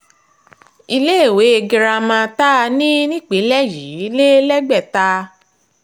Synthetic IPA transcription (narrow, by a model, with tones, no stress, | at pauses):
i˧le˦˨we˨˦e˧ɡi˧ɾa˧mã˧ta˦˧nĩ˦nĩ˦k͡pe˨˦lɛ˦ji˨˦le˦lɛ˦ɡ͡bɛ˦˨ta˧